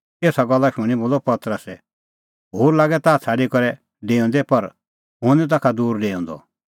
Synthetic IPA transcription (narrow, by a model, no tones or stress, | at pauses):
eːsaɡɔlːaʃʊɽ̃iboːlɔpɐt̪ɾəsɛ | ɦoːɾlaːɡɛt̪aːt͡sʰaːɖikɔɾɛ | ɖeːɔ̃ːnd̪ɛpɐɾ | ɦʊ̃nɛt̪̬akʰad̪uːɾɖeːɔ̃ːnd̪ɔ̰